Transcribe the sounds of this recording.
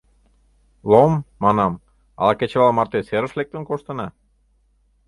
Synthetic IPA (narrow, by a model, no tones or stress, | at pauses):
lˠomːɑnɑm | ɑ̰lɑket͡ɕeβɑlmɑrt̪eseɾə̆ʃlek̚t̪ə̆nkoʃt̪ə̆nɑ